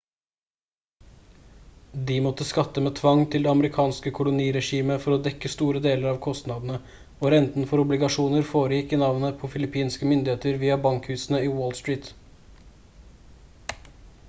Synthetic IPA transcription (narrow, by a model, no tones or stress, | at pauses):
d̪imɔt̪ːəskɑt̪ːəmeːt̪ʰʋɑŋt̪ʰɪld̪eɛɑməɾɪkʰɑːnskəkʰʊlʊniːɾɛʂiːməfɔɾɔd̪ɛkːəst̪uːɾəd̪eːləɾɑːʋkʰɔst̪nɑd̪n̩ə | oːɾɛnt̪n̩fɔɾʊblɪɡɑʂuːnəɾfoːɾəjɪkːɪnɑʋnəpʰɔfɪlɪpʰiːnskəmʏnd̪ɪheːt̪əɾʋiːɑbɑŋkhʉːsn̩əiːwoːlst̪ɹiːt̪